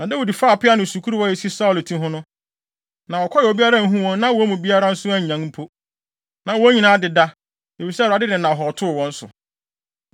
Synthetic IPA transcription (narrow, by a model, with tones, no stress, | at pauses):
nã˨da˦wi˨di˨faː˦˨pɪ˦a˦nʊ̃˨su˨kʰu˦ɾi˦wɔ˦jɛ˦si˦sa˦ʊ˨ltʰĩ˦ɦʊ̃˦nʊ̃˦ | nã˨wɔ˨kʰɔ˦jɛ˨o˨bi˦a˦ɾã˦n̩˦ɦũ˦wɔ̃˦nː˦ã˦wɔ˦mũ˨bi˦a˦ɾa˦n̩˦sʊ˦æ̃˦˨ã˨ŋm̩˦pʰo˦ | nã˨wɔ̃˦ɲĩ˨nãː˦dɪ˨da˦ | e˨fi˨sɛ˦˨ɾa˨dɪ˦dɪ˨nã˨ɦɔ˨tʰʊ˦˨wɔ̃˦n̩˦sʊ̰˨